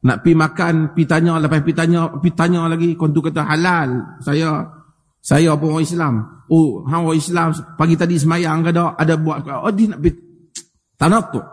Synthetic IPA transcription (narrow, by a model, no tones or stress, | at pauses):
na̰ʔpimakanpit̪aɲɔlapaspit̪aɲɔpit̪aɲɔlaɡikɔnt̪̬ukat̪aɦalalsajɔ | sajɔp̬awaislamoɦãwaislamspaɡit̪adis̬əmajaŋkadɔʔadabuaʔ̪odɪhnaʔpi | t̪anat̪ʊʔ